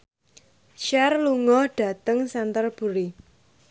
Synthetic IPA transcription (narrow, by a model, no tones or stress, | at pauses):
ʃɛrluŋɔhɖ̥ä̤t̪əŋsɛnt̪ərb̥ṳɾi